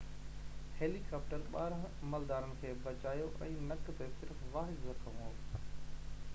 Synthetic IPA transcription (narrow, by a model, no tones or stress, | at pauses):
heːlikaːp̚ʈəɾɓaːɾɦɐməld̪aːɾənɪ̆kʰeːbɐt͡ɕaːjoʔɛ̃ːnɐkt̪esɪɾfʋaːɦɪd̪zɐkʰɐʋ̃o